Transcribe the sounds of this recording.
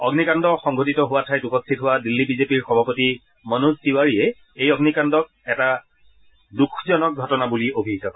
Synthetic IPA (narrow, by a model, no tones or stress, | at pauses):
ɔɡnikandɔxɔŋɡʱotitɔɦʊwatʰajtupostʰitɦʊwadilːibizepiɹxɔbʱapoti | mɔnuztiwaɹiɛ | ejɔɡnikandɔk̚ɛta | dukʰzɔnɔk̚ɡʱɔtɔnabuliobʱikakɔ